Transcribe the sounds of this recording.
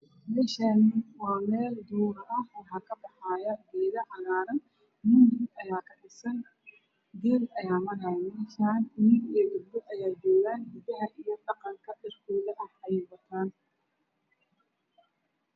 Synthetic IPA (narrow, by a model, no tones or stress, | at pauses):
mɛːʃanɪwɑːmɛːld̪uːɾɐhwɑħɑkʰɐbɑħaːjɐɡ̪ɛːðɐʕɑlaːɾɐn | mʊmɪdɐjaːkʰɐħɪsɐn | d̪ɛːlɐjaːmɐɾɐmɛːʃaːnɪnɪɡijɐɡʊd̪bɔʔɐjaːd͡ʒɔːɣaːnɡʊðɐɦɐʔijɔɗɑqɑŋkʰɐɗɐrkʰuːlɐʔɐħɐjɛbɐt̪ʰaːn